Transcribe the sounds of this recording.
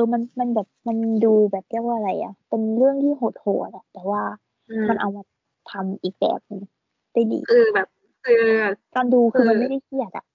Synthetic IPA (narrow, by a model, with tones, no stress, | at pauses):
ɤː˧ma˧nma˧nbɛː˨˩p̚ma˧nduː˧bɛː˨˩p̚ki˥˩k̚waː˧ɾa˧jʔa̰˨˩pe˧nɾɯ˥˩əŋt̪ʰiː˥˩ɦoː˨˩t̪̚ho̰ː˨˩t̪̚a˨˩t̪ɛː˨˩waː˥˩ | ma˧nʔa˧wma˧˩ | t̪ʰa˧mʔiː˨˩k̚bɛ̰ː˨˩p̚nɯ˧ŋ | d̥a˥˩jdḭː˨˦ɯː˧bɛː˨˩p̚ | ɯː˧kaː˧nduː˧kʰɯː˧ma˧nma˥˩jda˥˩jsi˧˨˩ət̪ʔa̰˨˩ʔ